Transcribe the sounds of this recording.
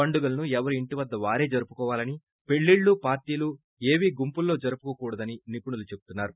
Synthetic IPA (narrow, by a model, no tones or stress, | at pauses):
ɐɳɖuɡɐlɐnuɛʋɐɾuiɳʈiʋɐd̪ːɐʋaːɾe̞ːd͡ʒɐɾupu̥kɔːʋaːlɐni | pe̞ɭːiːɭːupaːɾʈiːlu | e̞ːʋiːɡumpulːo̞ːd͡ʒɐɾupukɐkuːɽɐd̪ɐninipuɳulut͡ʃe̞bu̥t̪unːaːɾu